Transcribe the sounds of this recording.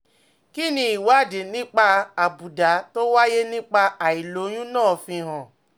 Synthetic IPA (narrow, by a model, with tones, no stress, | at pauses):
ki˦nĩ˧i˨wa˨˦˨de˨nĩ˦k͡pa˧a˨bu˨da˨˦to˦wa˦je˦nĩ˦k͡pa˧a˨i˨lo˨˦j̃ũ˦nãː˦˨fĩ˧ɦã˨